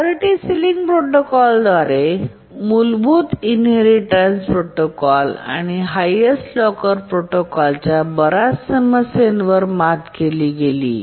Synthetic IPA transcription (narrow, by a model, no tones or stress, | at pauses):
oɾiʈisiliŋɡpɾoʈokɔld̪ʋaɾe | mulbʱuːt̪inɦeɾiʈɾanspɾoʈokɔla̰ñiɦajesʈlɔkəɾpɾoʈokɔlt͡ɕjabəɾasəməsenʋəɾmat̪keliːɡelḭː